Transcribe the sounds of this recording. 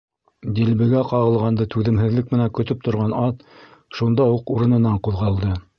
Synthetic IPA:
d̪ilbɘ̆ɡæqɑʁɤ̆lˠʁɑnd̪ɤt̪ʉðɘ̆mɦɘ̆ðlɘk̚mɘ̆næŋkɵ̆t̪ɵp̚t̪ŏɾʁɑnɑt̪ʃund̪ɑuquɾɤ̆nɤ̆nɑɴquðʁɑlˠd̪ɤ

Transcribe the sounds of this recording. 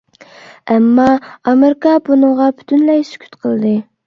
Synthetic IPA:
ɛmːɑɑmeɾɪkɑbunɨŋʁɑby̥t̪ʰynlɛjsy̥kʲʰy̥t̪qʰəlˠd̪ɨ

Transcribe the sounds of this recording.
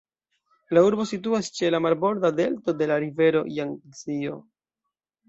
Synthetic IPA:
lauɾbo̞situast͡ʃe̞lamalbo̞ɾdade̞lto̞de̞laɾive̞ɾo̞̰jaŋt͡sio̞̰

